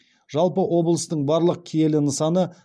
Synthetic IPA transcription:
ʒ̥ɑlˠpəʔwo̞blˠəst̪əɴbɑɾlˠəq̚kʲʰeje̞lɪnəsɑnə

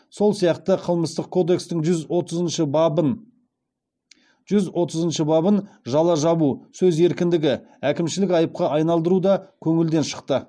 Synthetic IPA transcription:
so̞lˠsijɑqt̪əqʰəlˠməst̪əq̚kʰo̞d̪e̞kst̪ɪŋʒʏzot̪əzənʃəbbn | ʒ̥ʏzwo̞t̪əzənʃəbɑbənʒɑlˠɑʒɑβusɵze̞ɾkʲɪnd̪ɪɡʲɪ | ækʲɪmʃɪlɪkɑjəp̚qɑʔɑjnɑlˠd̪əɾud̪ɑkʲʰɵŋɪld̪e̞nʃə̥qt̪ə

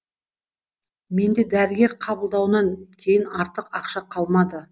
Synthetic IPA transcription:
me̞nd̪e̞d̪æɾɪɡʲe̞ɾqʰɑbəlˠd̪ɑwnɑŋkʲʰe̞jɪnɑɾt̪əqɑqʃɑqʰɑlˠmɑd̪ə

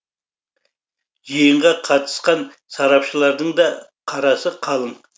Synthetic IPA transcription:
ʒijəɴʁɑqʰɑt̪ə̥sqɑn | sɑɾɑpʃəlˠɑɾd̪əɴd̪ɑ | qʰɑɾɑsəqʰɑlˠəɴ

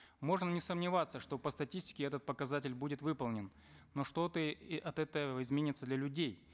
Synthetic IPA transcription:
mo̞ʐnənʲɪsəmnʲɪvat̪səʂt̪o̞pəst̪ɐtʲisʲtʲɪ̥kʲɪɛt̪ət̪̚pəkɐzatʲɪlʲbudʲɪt̪vɨpəlˠnʲɪnː | o̞ʂt̪o̞t̪əʔɐt̪ɛt̪əəɪzmʲenʲɪt̪səd̪lʲɐlʲʉdʲej

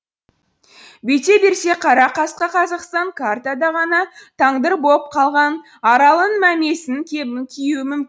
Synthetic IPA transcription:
be̞jt̪e̞be̞ɾse̞qʰɑɾɑqɑsqəqʰɑzɑqst̪ɑŋkʰart̪ad̪ɑʁɑnɑt̪ʰɑɴd̪əɾbo̞p̚qʰɑlˠʁɑn | ɑɾɑlˠənmæme̞sɪŋkʲʰebɪŋkʲʰijuɪmʏmkʲɪ

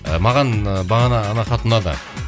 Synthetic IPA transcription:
mɑʁɑnbɑʁɑnɑːnɑχɑt̪ənɑd̪ɑ̰

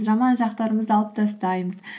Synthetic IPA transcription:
ʒɑmɑnʒɑqt̪ɑɾəməzɑlˠəp̚d̪ɑst̪ɑjməz̥

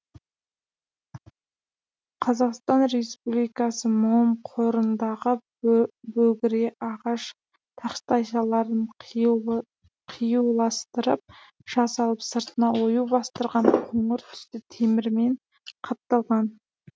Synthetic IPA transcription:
qʰɑzɑqst̪ɑnre̞spublijkɑsəmʊəmqʰoɾənd̪ɑʁə | bɵɡʲɪɾɡʲeʔɑʁɑʃ | t̪ʰɑχst̪ɑjʃɑlˠɑɾd̪əɴ | qʰijulˠɑst̪əɾə̰p̚ | ʒ̥ɑsɑlˠəpsəɾt̪ənɑwojubɑst̪əɾʁɑɴqʰoɴəɾt̪ʰʏ̥st̪ɪt̪ʰe̞mɪɾme̞ɴ | qʰɑt̪ːɑlˠʁɑn

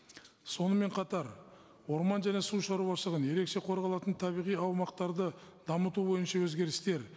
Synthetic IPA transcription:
so̞nəme̞ɴqʰɑt̪ɑɾ | wo̞ɾmɑnʒæne̞suʃɑɾubɑʃəəʁənje̞ɾe̞kʃe̞qʰo̞ɾʁɑlˠɑt̪ənt̪ʰɑbijʁijɑwmɑq̚t̪ɑɾd̪əd̪ɑmət̪ubo̞jənʃɑwɵzɡʲe̞ɾɪst̪e̞ɾ

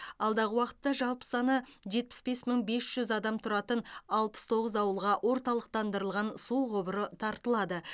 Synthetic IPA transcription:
ɑlˠd̪ɑʁəwɑqə̥t̪ːɑʒɑlˠpə̥sɑnəʒe̞t̪̚pɪ̥sbe̞sməɴbe̞sʒ̥ʏzɑd̪ɑmt̪ʰʊɾɑt̪ənɑlˠpə̥st̪ʰo̞ʁəzɑwəlˠʁɑwʔo̞ɾt̪ɑlˠəq̚t̪ɑnd̪əɾəlˠʁɑnsuʁobəɾət̪ʰɑɾt̪əlˠɑd̪ə

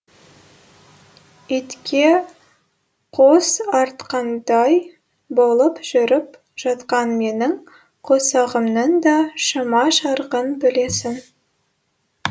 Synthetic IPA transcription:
it̪kʲʰe̞ | qʰosɑɾt̪qɑnd̪ɑj | bo̞lˠəpʒ̥ʏɾɪp | ʒ̥ɑt̪qɑnme̞nɪŋ | qʰosɑʁəmnənd̪ɑʃəmɑʃɑɾʁənbɪle̞sɪn

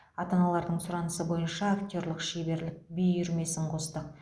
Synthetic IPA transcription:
ɑt̪ɑnɑlˠɑɾd̪əɴsʊɾɑnəsəbo̞jənʃɑːkt̪ʲo̞ɾlˠəqʃebe̞ɾlɪk̚bejʏɾme̞sɪɴqʰo̞st̪ə

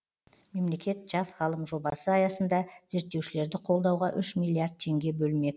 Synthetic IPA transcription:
me̞mle̞kʲe̞t̪ʒ̥ɑsʁɑlˠəmʒo̞bɑsəɑjɑsənd̪ɑz̥e̞ɾt̪ːe̞wʃɪle̞ɾd̪ɪqʰo̞lˠd̪ɑwʁɑʔʏʃmilʲːˠiaɾd̪̚t̪ʰe̞ŋɡʲe̞bɵlme̞k

